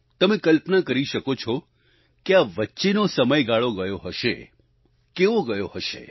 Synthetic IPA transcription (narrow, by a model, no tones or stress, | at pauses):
t̪əmẽkəlpnakəɾiʃəkot͡ʃʰɔ | keaʋətːʃenosəməjɡaɭoɡəjoɦəʃḛ | keʋoɡəjoɦəʃḛ